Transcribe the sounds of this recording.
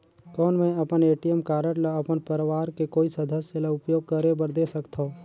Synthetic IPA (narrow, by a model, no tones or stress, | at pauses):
kɔːnmɛ̃ɐpəneːʈijəmkaːɾəɽlaɐpənpəɾʋaːɾkekoːisɐd̪ʱəsjəlaʊpjoːɡ̚kəɾebəɾd̪esəkt̪ʰoː